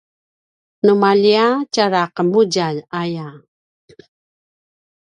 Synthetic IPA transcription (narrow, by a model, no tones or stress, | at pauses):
numaʎiat͡ɕaɾaqəmuɟalaja